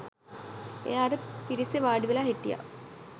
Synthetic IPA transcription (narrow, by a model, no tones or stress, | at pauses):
ḛjaːɾəpiɾiseʋaːɖiʋelaːɦet̪ːija̰